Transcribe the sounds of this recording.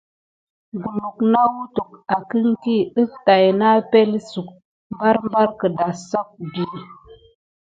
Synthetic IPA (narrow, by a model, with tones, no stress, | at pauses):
ɡu˨mu˨kna˦wu˦tu˨k̚a˨ki˦ŋki˦ə˦fta˨jna˦pe˦lsu˨k̚ | mba˦ɾmba˦ɾkə˨da˨sa˦k̚bi˨